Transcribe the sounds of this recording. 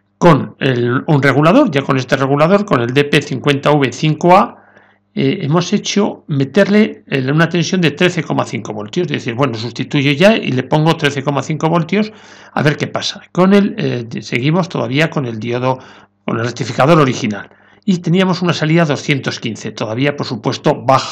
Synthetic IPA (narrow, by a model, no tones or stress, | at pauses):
ko̞nelunre̞ɣ̞ulað̞o̞ɾʝako̞nest̪e̞re̞ɣ̞ulaðo̞ɾko̞ne̞ld̪e̞pe̞θiŋkwe̞nt̪auβe̞θiŋko̞a | ee̞̰mo̞se̞t͡ʃome̞t̪e̞ɾle̞unat̪e̞nsjo̞nd̪e̞t̪ɾe̞θe̞ko̞maθiŋko̞βo̞lt̪jo̞sðeθiɾβwe̞nosust̪it̪uʝoʝaḭle̞po̞ŋɡo̞t̪ɾeθe̞ko̞maθiŋkoβo̞lt̪jo̞s | a̰βe̞ɾke̞pasḁko̞nelese̞ɣ̞imo̞st̪o̞ðaβiako̞ne̞ld̪joðo | ko̰nrekt̪ifikað̞o̞ɾo̞ɾixina̰l | it̪e̞niamo̞sunasaliðaðo̞sθje̞nt̪o̞skinθe̞t̪oðaβ̞iapoɾsupwe̞st̪o̞βaxa